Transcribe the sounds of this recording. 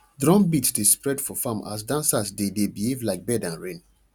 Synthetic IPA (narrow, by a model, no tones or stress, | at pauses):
dɹɔ̃mbitsdespɹɛdfɔfãmʔa̰s̬dãnsasdedebihevlaɪk̚bɛdãnɹẽn